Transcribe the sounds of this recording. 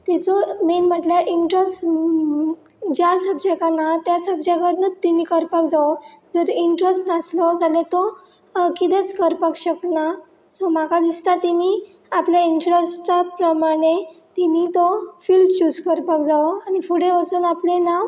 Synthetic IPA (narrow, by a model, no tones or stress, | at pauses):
t̪ɛt͡sɔmenm̤əʈljaʔiɳʈɾəsʈ | d͡ʑjasəb̚d͡ʑakanat̪jasəbd͡ʑakəɾnət̪ːinikəɾpakd͡zaod͡zəɾiɳʈɾəsʈnaslɔd͡zalet̪o | kid̪et͡skəɾpakɕəkna | sɔmakad̪ist̪at̪ini | apljaiɳʈɾəsʈapɾəmaɽ̃et̪init̪ofilʈt͡ɕud͡zkəɾpakd͡zaoaɽ̃ifuɽeʋat͡suːnaplena